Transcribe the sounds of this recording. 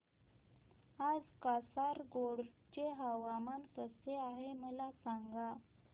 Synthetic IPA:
ad͡zkasaɾɡoɽt͡ɕeɦaʋamankəseaɦeməlasaŋɡa

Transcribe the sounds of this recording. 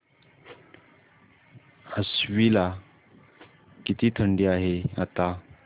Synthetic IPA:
əsʋila | kit̪iːt̪ʰəɳɖiaɦeat̪a

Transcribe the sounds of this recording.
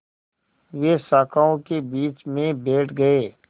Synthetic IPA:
ʋesaːkʰaːõkebiːt͡ʃmẽbeːʈʰɡɐeː

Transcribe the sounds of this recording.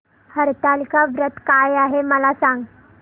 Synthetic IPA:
həɾt̪alikaʋɾət̪kajaɦeməlasãŋɡ

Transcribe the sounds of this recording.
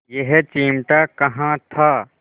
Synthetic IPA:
jeɦet͡ʃiːmʈakɐɦãt̪ʰa

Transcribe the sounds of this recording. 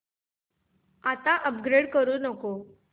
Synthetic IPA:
at̪aʔəpɡɾeɽkəɾuːnəko

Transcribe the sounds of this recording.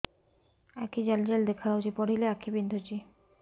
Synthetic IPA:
ɛkid͡ʑald͡ʑeld̪ekʰaɾaod͡ʑipɔɽileakʰibind̪ʱut͡ɕi

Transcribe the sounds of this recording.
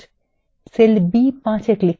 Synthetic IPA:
selbipãt͡ɕekli

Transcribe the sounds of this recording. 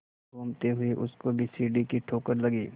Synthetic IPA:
boːmt̪eɦʊeʔʊskobʱisiːɖikiʈʰoːkəɾlɐɡiː

